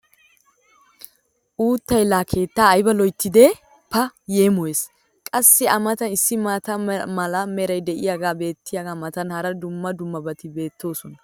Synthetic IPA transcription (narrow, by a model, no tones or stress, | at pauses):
ʔuːt̪ːɐjlːaːkʰe̞ːt̪ːaːjbɐlɔjt̪ːɪd̪ɛ | pɐjeːmɔjeːs | kʼɐsːɪɐmɐt̪ɐnɪsːɪmɐt̪ɐmɐlɐmɛɾɐjd̪ɛʔɪjaɡaːbe̞ːt̪ːɪjaɡaːmɐt̪ɐnhɐɾɐd̪ʊmːɐd̪ʊmːɐbɐt̪ɪbe̞ːt̪ːo̞ːsɔnɐ